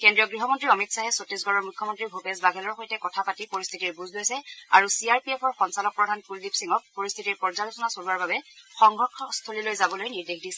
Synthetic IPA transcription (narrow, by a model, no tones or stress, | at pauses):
kendɹijɔɡɹiɦɔmɔntɹiɔmitsaɦɛsotɹisɡɔɹɔɹmukʰːɔmɔntɹibʱopesbaɡʱɛlɔɹxojtɛkɔtʰapatipoɹist̪ʰitiɹbuzdojsɛa̰ɹusiaɹpiepʰɔɹxɔnsalɔk̚pɹɔdʱankuldipsiŋɔk̚poɹist̪ʰitiɹpɔɹzalosɔnasoluaɹbabɛxɔŋɡʱɔkʰːɔst̪ʰolilojzabɔlojniɹdexdisɛ